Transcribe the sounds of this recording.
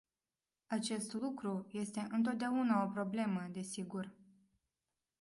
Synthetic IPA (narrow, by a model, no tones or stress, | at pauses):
at͡ʃe̞st̪lukɾuje̞st̪e̞ʔɨnt̪o̞t̪d̪eaunao̞pɾo̞ble̞məd̪e̞siɡur